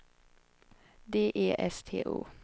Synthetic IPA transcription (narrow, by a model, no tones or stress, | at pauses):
d̪eːʔeːʔɛst̪ʰḛːʔṵː